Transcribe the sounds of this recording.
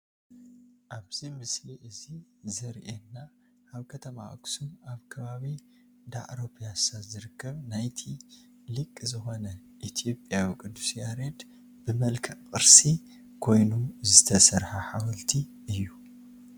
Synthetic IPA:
ʔaβzimɨsliʔɨzizɐɾʔenːa | ʔaβkʰɐt̪ʰɐma̰ʔɡsumaβkʰɐβaβi | d̪a̰ʔɾopʰʼjasat̪zɨɾɨkʰːɐβnajt̪ʰi | lɨkʼːɨzɨxo̞nɐ | ʔit̪ʰijo̞pʼjawikʼɨnd̪usjaɾed̪ | bɨmɐlkʰɐʔʼqʼɨɾsi | kʰo̞jnuzɨt̪ʰɐsɐɾħaħawɐlt̪ʰi | ɨjːu

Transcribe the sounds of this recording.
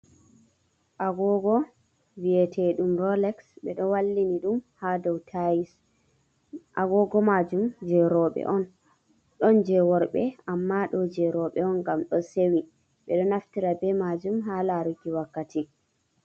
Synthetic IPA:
ʔaɡɔɡɔ | viɛtʰɛɗumɾɔlɛksɓɛɗɔwalːiniɗumhadɔwtʰajis | ʔaɡɔɡɔmad͡ʒumd͡ʒɛɾɔɓɛ̰ʔɔn | ɗɔnd͡ʒɛwɔɾɓɛamːaɗɔd͡ʒɛɾɔɓɛɔnɡamɗɔsewi | ɓɛɗɔnaftiɾabɛmad͡ʒumɦalaɾuɡiwakːati

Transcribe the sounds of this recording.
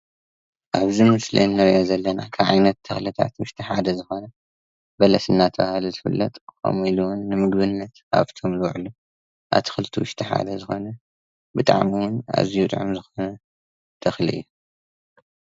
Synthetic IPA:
ʔaβzimɨslḭnːɐɾjazɐlːɐnakʰaβʕajnɐt̪ʰːɐxlit̪ʰa̰t̪wʊʃt̪ʰiħad̪ɐzɨxo̞nɐ | bɐlɐsɨnːat̪ʰɐβahluzɨfɨlːɐ̰t̪ʼkʰo̰miluwnːɨmɨɡbɨnːɐt̪a̰βt̪ʰo̞mlɨwʕlu | ʔa̰βt̪ʰɨ̥xɨlt̪ʰiwʊʃt̪ʰiħa̰d̪ɐzɨxo̞nɐ | bɨt̪ʼaʕmiwʊna̰ziut̪ʼʕṵmzɨxo̞nɐ | t̪ʰɐxlḭʔɨ̰jːu

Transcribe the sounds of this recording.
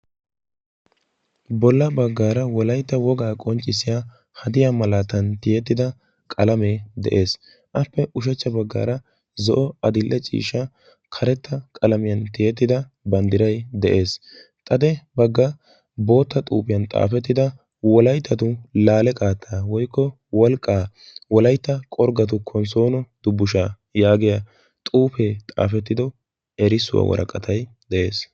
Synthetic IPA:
bɔlːɐbɐɡːaːɾɐwɔlɐjt̪ːɐwɔɡaːkʼɔnt͡ʃʼːɪsɪja | hɐd̪ɪjamɐlaːt̪ɐnt̪ɪjɛt̪ːɪd̪ɐ | kʼɐlɐmeːd̪ɛ̰ʔe̞ːs | ʔɐpːɛʔʊʃ̬ɛt͡ʃːɐbɐɡːa̰ːɾɐ | zɔʔɔɐd̪ɪlːʔɛt͡ʃʼḭːʃɐ | kʰɐɾɛt̪ːɐkʼɐlɐmɪjɐnt̪ɪjɛt̪ːɪd̪ɐbɐnd̪ɪɾɐjd̪ɛʔe̞ːs | t̪ʼɐd̪ɛbɐɡːɐ | bo̞ːt̪ːɐt̪ʼuːpɪjɐnt̪ʼa̰ːfɛt̪ːɪd̪ɐ | wɔlɐjt̪ʰːɐt̪ʊlaːlɛkʼaːt̪ʰːawɔjkːɔ | wɔlkʼːaː | wɔlɐjt̪ːɐkʼɔɾɡɐt̪̬ʊkʰːɔnso̞ːnɔd̪̥ʊbːʊʃaː | jaːɡɪjɐ | t̪ʼuːfet̪ʼa̰ːfɛt̪ːɪd̪ɔ | ɛɾɪsʊwa̰wɔ̰ɾʔɐ̰kʼːɐt̪ʰɐj | d̪ɛʔe̞ːs

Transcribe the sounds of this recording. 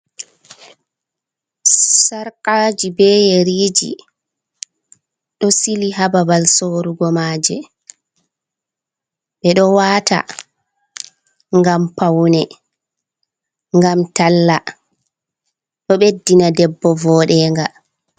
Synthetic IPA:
saɾkaːd͡ʒibɛjɛɾiːd͡ʒḭ | ɗɔsiliɦababalsoɾuɡɔmaːd͡ʒɛ̰ | ɓɛɗɔwaːta̰ | ŋɡampawnɛ | ŋɡamtalːa | ɗɔɓedːinadɛbːɔvɔːɗɛːŋɡa

